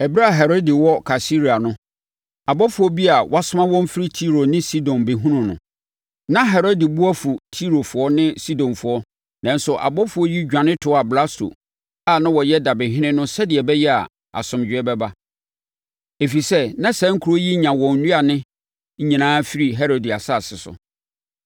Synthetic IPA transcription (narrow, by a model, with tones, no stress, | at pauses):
ɛ˨bi˦ɾa˦˨ɦɛ˨ɾo˦di˨wɔ˦kʰa˨si˦ɾi˨a˨nʊ̃˦ | a˨bɔ˦fʊ˨˦ɔ˦bi˦a˨wʔa˦sʊ˦mã˦wɔ̃˦m̩˦fɪ˦ɾi˦tʰi˦ɾo˨nɪ̃˦si˦dɔ̃˨nbe˨ɦũ˦nʊ̃˨nʊ̰̃˨ | nã˦ɦɛ˨ɾo˦di˨bu˦a˦fu˨tʰi˦ɾo˨fʊ˨˦ɔ˦nɪ̃˦si˦dɔ̃˨nfʊ˨˦ɔ˦ | nã˨n˦sʊ˨ʔa̰˨bɔ˦fʊ˨ɔ˦ji˦d͡ʑᶣã˨nɪ̃˦tʰʊ˨˦a˨bla˦sto̰˨ | a˨nã˦wɔ˨jɛ˦da˨bɪ̃˨ɦɪ̃˦nɪ̃˦nʊ̃˦sɛ˦dɪ˨ɛ˨bɛ˦jɛ˦a̰˨ | a̰˨sʊ̃˨md͡ʑᶣɪ˨ɛ˦bɛ˦ba˦ | e˨fi˨sɛ˦nã˦sɛ̃˦ŋ̩˦kʰu˨ɾo˦ji˦ɲã˨wɔ̃˨n̩˨nũ˦a˨nɪ̃˦ | ɲ̩˦ɲĩ˨nãː˦fi˦ɾi˨ɦɛ˦ɾo˨di˨a˨sa˦˨sɪ˨sʊ̰˨